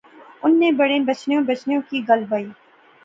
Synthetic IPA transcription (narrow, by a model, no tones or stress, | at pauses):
ʊnːebɐɽebɐt͡ʃnjõbɐt͡ʃnjõkiɡɐlbaːiː